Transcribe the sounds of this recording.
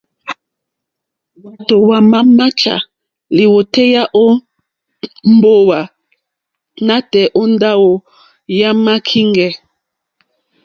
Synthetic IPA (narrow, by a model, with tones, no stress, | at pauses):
wa˨to˨wa˨ma˦ma˦t͡ʃa̰˨ | li˨wo˨tɛ˦ja˦ʔo˦ | m˦bo˦wa˨ | na˦tɛ˨ʔo˦n˦da˦wo˨ | ja˦ma˦kʰi˦ŋɡɛ˨